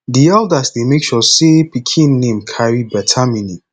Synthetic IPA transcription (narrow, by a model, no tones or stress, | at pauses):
diɛldasdemekʃɔsepikʰĩnːẽmkʰaɹibɛtʰamini